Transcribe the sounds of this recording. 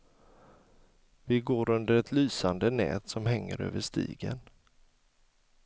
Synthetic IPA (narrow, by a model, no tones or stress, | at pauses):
vɪɡoːɾɵnd̪əɾɛt̪ʰlyːsand̪ənɛ̰ːt̪sɔmɦɛŋːə̰ɾø̰ːvəʂt̪ḭːɡən